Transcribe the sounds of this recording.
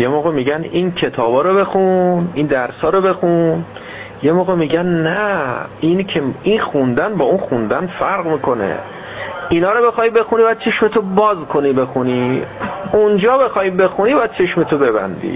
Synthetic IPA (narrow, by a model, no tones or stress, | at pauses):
jemoɣemiɟænincʰe̞t̪ʰɒːbɒːɾobe̞xunind̪æɾsɒːɾobe̞xun | jemoːɣemiɟænnæʔincʰeinxund̪ænbɒːunxund̪ænfæɾɣmiːkʰo̞nḛ | inɒːɾobe̞xɒːibe̞xunibæd̪̚t͡ʃʰe̞ʃmet̪ʰobɒːzkʰo̞niːbe̞xuniː | und͡ʒɒːbe̞xɒːjbe̞xunibɒæd̪̚t͡ʃʰe̞ʃmet̪ʰobe̞bæ̰nd̪ḭː